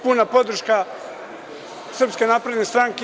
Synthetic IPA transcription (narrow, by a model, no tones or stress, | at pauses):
punapo̞d̪r̩ʃka | sr̩pskenaːpɾe̞d̪nest̪ɾaŋke